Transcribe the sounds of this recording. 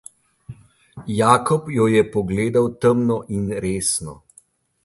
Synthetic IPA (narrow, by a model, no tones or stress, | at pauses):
jaːkɔpjɔjɛpɔɡleːd̪awt̪əmnɔʔinɾeːsnɔ̰